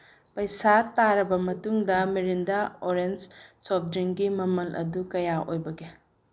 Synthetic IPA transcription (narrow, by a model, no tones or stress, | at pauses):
pɐjsataɾɐbɐmɐtuŋdɐmeɾindaoɾend͡ʒsɔp̚dɾiŋɡimɐmɐlʔɐ̰dukɐjaʔo̰jbɐɡe